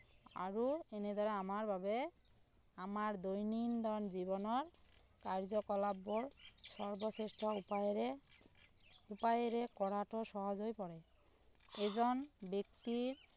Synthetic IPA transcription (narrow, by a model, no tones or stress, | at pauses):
a̰ɹuɛned̪ɔɹɛamaɹbʱabɛ | amaɹd̪ojnind̪ɔɹnzibɔnɔɹ | kaɹzɔkɔlabɔɹsɔɹbɔsesʈɔ | upajeɾɛkɔɹaʈɔsɔɦɔzojpɔɹɛ | ɛzɔnbek̚tiɹ